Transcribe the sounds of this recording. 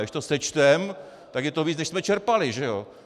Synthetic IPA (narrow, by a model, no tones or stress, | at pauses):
dɪʃt̪osɛt͡ʃt̪ɛm | t̪akjɛt̪oviːt͡snɛʃsmɛt͡ʃɛɾpalɪʒɛjo